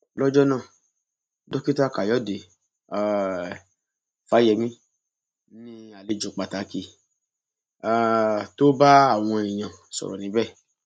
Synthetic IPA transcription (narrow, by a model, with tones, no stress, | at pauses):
lɔ˦d͡ʒɔ˦nãː˦˨ | dɔ˦ki˦ta˦˨ka˨jɔ˨˦˨de˨ | a˨ | fa˨˦jɛ˧˨mĩ˦ | nĩ˦a˨le˨˧˨d͡ʒo˨k͡pa˨ta˨˦ki˧˦ | a˨to˦ba˦a˦˨w̃ɔ̃˧e˨j̃ã˨sɔ̰˨ɾɔ̰˨nĩ˨˦bɛ˦˨